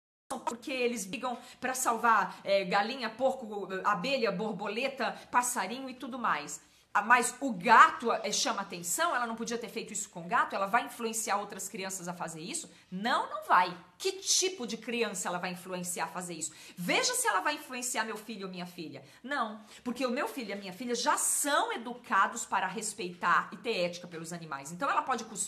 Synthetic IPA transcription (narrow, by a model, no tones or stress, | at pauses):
sɐ̃w̃pɾkeelɪzbiɡɐ̃w̃pɾɐsawvaɾɛɡalĩɲɐpoɾkʊɛabeʎɐboɾbolet̪ɐpasaɾĩɲʊɪt̪ud̪ʊmajs | mɐzʊɡat̪ʊɛʃɐ̃mɐaːt̪ẽsɐ̃w̃ɛlɐnɐ̃w̃p̬od͡ʒiɐt̪eɾfejt̪ʊisʊ̥kõʊɡat̪ʊɛlɐvajĩfluẽsiaɾowt̪ɾɐskɾiɐ̃sɐzɐfazeɾisʊ | nɐ̃w̃nɐ̃w̃vaj | kɪt͡ʃipʊd͡ʒɪkɾiɐ̃sɐɛlɐvajĩfluẽsiaɾfazeɾisʊ̥veʒɐsɪɛlɐvajĩfluẽsiaɾmewfiʎʊːmĩɲɐfiʎɐ | nɐ̃w̃ | poɾkeʊmewfiʎʊɐmĩɲɐfiʎɐʒasɐ̃w̃ed̪ukʰad̪ʊspaɾɐɦespejt̪aɾɪt̪eɾɛt͡ʃɪ̥kɐpelʊzɐnĩma̰jsẽnt̪ɐ̃w̃ɛlɐpɔd͡ʒɪkus